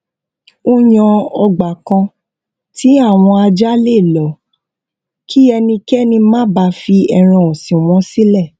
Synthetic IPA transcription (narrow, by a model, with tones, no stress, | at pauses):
o˦j̃ã˧ɔ˧ɡ͡ba˨kã˧ | ti˨˦a˦˨w̃ɔ̃˧a˧d͡ʒa˦le˦˨lɔ˨˦ | ki˦ɛ˧nĩ˧kɛ˦nĩ˧mã˦ba˧fi˧ɛ˧ɾ̃ã˧ɔ̃˨sĩ˨w̃ɔ̃˨˦si˦lɛ˦˨